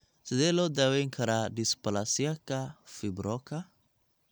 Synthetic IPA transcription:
sɪd̪ɛlɔd̪awɛŋkʰaɾadispalasiakafibɾɔka

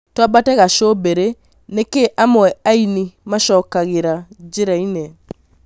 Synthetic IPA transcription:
twabatɛɣaʃobeɾe | nekeʔamɛainimaʃɔːkaɣeɾad͡ʒeɾainɛ

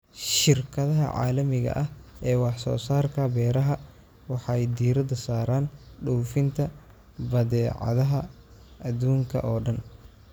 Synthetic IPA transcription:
ʃɪrkʰɐðɐɦɐ̰ʕɑ̰ːlɐmɪɣɐ̰ʔɐhɛːwɑħsɔ̰ːsaːrkʰɐbɛːɾɐɦɐ | wɑħɑjd̪iːɾɐd̪ɐsaːɾaːnɖɔwfɪnt̪ʰɐ | bɐðɛːʕɑ̰ðɐɦɐ | ɐd̪uːŋkʰɐ̰ʔɔːɖɐn

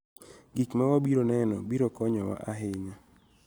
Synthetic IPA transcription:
ɡikmawabiɾonɛnɔ̰biɾokɔɲɔwa̰ʔaɦɪɲa

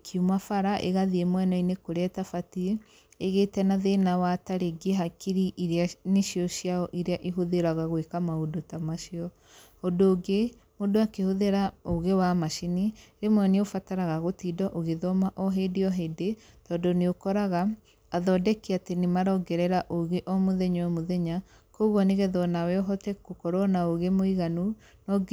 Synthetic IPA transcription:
kʰiumafaɾaʔḛɣaðiemwɛnainekoɾɛtafatie | eɣetɛnaðenawataɾeɡeɦakiɾiʔiɾeaneʃiɔʃjaɔʔiɾeaʔeɦoðeɾaɣaɣwekamaodotamaʃiɔ | ɔdoːɡe | modoakehoðeɾaoɣewamaʃiniɾemwɔneofataɾaɣaɣotidɔʔoɣeðɔmaʔɔɦedeɔɦedetɔːdɔneokɔɾaɣaː | ðɔdɛkeatenemaɾɔɡɛɾɛɾaʔoɣeʔɔmoðɛɲɔɛmoðɛɲa | koɣɔneɣɛðɔnawɛɔɦɔtɛkokɔɾɔnaoɣemoiɣanu | nɔ

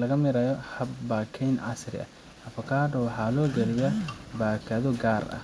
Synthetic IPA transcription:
lɐɣɐmɪɾɐjɔhɐbbaːkʰɛjnʕɑ̰srɪ̰ʔɐ̰ | ʔɐfɐkʰaːd̪ɔwɑħɑːlɔːɡɐlɪjabaːkʰɐðɔɡaːrɐ̰h

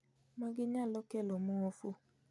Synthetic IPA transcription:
mãɡeɲãlɔkɛlɔmũɔfo

